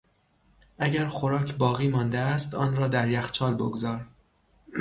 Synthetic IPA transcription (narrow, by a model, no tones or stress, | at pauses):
ʔæɟæɾxoɾɒːcʰbɒːɣiːmɒːnd̪eæst̪ɒːnrɒːd̪æɾjæxt͡ʃʰɒːlbo̰ɡozɒːɾ